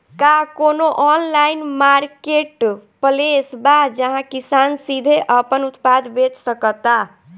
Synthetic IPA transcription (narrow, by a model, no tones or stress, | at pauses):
kakonoʔɔnlainmaɾkeʈpəlesbad͡ʒəɦãkisansid̪ʱeʔəpənut̪pad̪bet͡ʃsəkət̪a